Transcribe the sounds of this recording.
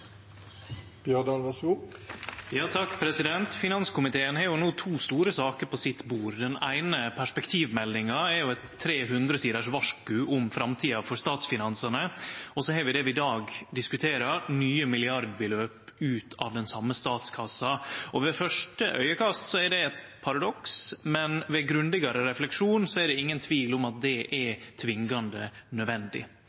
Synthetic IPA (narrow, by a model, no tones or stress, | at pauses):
b̥jœd̪ɑnʋɑsuː | jɑːt̪ʰɑkːpʰɾɛsɪd̪ɛnt̪fɪnɑnskʊmɪt̪ʰeːənhɑɾjʊnuːt̪ʰuːst̪uːɾəsɑːkəɾpʰɔsɪt̪buːɾd̪ɛnæ̰ɪnəpʰæʂpɛkt̪ʰiːʋmɛlːɪŋɑɛɾjʊɛt̪ʰːɾeːɦʉnd̪ɾəsiːd̪əʂʋɑʂkʉʔʊmfɾɑmt̪ʰiːɑfɔɾst̪ɑːt̪sfɪnɑnsənəɔsɔhɛːɾʋɪd̪ɛʋɪɪd̪ɑːɡd̪ɪskʉt̪ʰeːɾɑɾnyːəmɪlɪɑɾd̪̚bəløːpʉːt̪ʰɑ̰ʋd̪ɛnsɑmːəst̪ɑːt̪skʰɑsːɑʔɔʋɛfœʂʈə̰ʔœ̰ʏəkʰɑst̪sɔæɾɖɛɛt̪ | pʰɑɾɑd̪ɔksmɛnʋɛɡɾʉnd̪ɪɡɑɾəɾɛflɛkʂuːnsɔæɖɛɪŋːənt̪ʰʋiːlʊmɑt̪̚d̪ɛʔɛɾt̪ʰʋɪŋɡɑnd̪ənœʋɛnd̪ɪ̰